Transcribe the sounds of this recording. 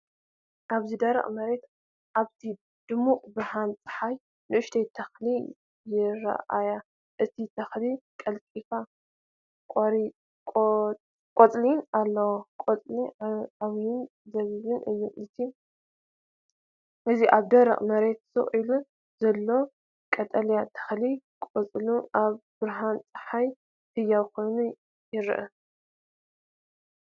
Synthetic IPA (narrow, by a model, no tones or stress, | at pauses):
ʔaβzid̪ɐɾɐ̰χʼmɐɾe̞t̪ | ʔaβt̪ʰi | d̪̥ɨmuχʼbɨhant͡sʼɨ̥ħaj | nɨʔɨʃt̪ʰet̪ʰɐxli | jɪɾɐ̰ʔa̰ja | ʔɨt̪ʰit̪ʰɐxlikʼɐlkʼifa | kʼɾʼ | kʼot͡sʼlinalːɐwkʼot͡sʼliaβjɪn | zɐβiβɨnʔɨjːuɨt̪ʰi | ʔɨziʔaβd̪ɐɾɐ̰χʼmɐɾe̞t̪sɨ̰χʼilu | zɐlːo̞ | kʼɐt̪ʼɐljat̪ʰɐ̥xli | kʼot͡sʼluʔaβbɨɾɦant͡sʼɨ̥ħaj | t̪ʰɨjːakʰo̞jnu | jɪɾɨ̰ʔɨ